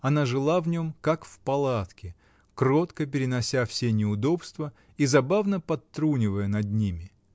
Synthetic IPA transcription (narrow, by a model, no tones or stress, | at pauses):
ɐnaʐɨlˠavnʲo̞mkakfpɐlˠat̪kʲɪ | kro̞t̪kəpʲɪɾʲɪnɐsʲafsʲenʲɪʊd̪o̞pst̪və | izɐbavnəpɐt̪ːɾunʲɪvəjənɐd̪nʲimʲɪ